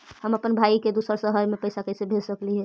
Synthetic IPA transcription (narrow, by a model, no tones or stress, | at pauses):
həməpənbʱaiked̪usəɾsəɦəɾmepəɪsakəɪsebʱelsəkliɦɛ